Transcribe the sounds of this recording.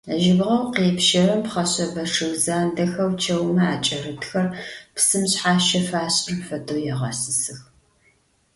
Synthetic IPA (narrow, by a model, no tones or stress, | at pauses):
ʒɪbʁɐwqeːpʃɐɾɐmpχɐɕɐbɐʂɨɣzaːndɐxɐwt͡ʃʰɐwmɐaːt͡ʃʼɐrɨtxɐrpsɨmɕħaːʃɐfaːɕʼɪrpfɐtʰowjɛʁɐsɨsɨx